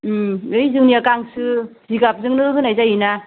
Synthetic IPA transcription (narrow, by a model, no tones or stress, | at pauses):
ɯjzɯŋniakaŋsɯziɡap̚zɯŋnɯɦɯnajzajina